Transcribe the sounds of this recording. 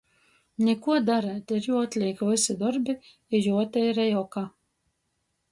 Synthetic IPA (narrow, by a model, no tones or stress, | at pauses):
nʲɛkuɔd̪aɾat̪ʲiɾjuɔt̪ʲlʲiːkvɨsid̪ɔɾbi | ijuɔt̪ʲɛjɾɛjɔka